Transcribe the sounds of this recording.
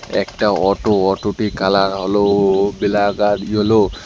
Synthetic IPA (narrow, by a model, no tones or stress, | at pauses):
ɛ̰k̚taɔtoɔtutikalaɦolobɛlaɡatolo